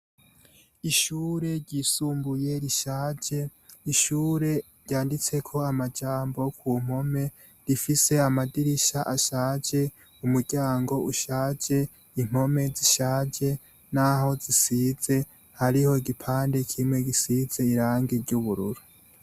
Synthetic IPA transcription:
iʃuːɾe̞ɟiːsuːmbuje̞ɾiʃaːd͡ʒe̞iʃuːɾe̞ | ɾjaːndit͡se̞kʰo̞amad͡ʒaːmbo̞kʰuːŋ̥o̞me̞ | ɾifise̞amadiɾiʃaʔaʃaːd͡ʒe̞ | umuɟ̥aːŋɡo̞uʃaːd͡ʒe̞ | iŋ̥o̞me̞ziʃaːd͡ʒe̞ | naho̞zisize̞ | haɾiho̞iɡipʰaːnde̞kʰimwe̞ɡisiz̥e̞iɾaːŋɡeɾɟuβuɾṵɾu̥

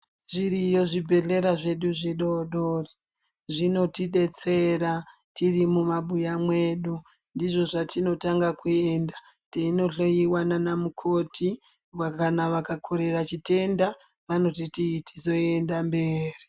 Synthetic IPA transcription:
ʐiɾijo̞ʐibʱe̞ɮe̞ɾaʐe̞ɗuʐiɗo̞ɗoːri | ʐino̞tiɗe̞t͡seɾa | tirimumaɓujamwe̞ɗu | ndiʐo̞ʐatino̞taŋɡakue̞nda | teino̞ɬo̞jiwananamukʰo̞tʰi | wakanaʋakakʰoɾe̞rat͡ʃite̞nda | ʋano̞tititi̥zo̞endambe̞ːri

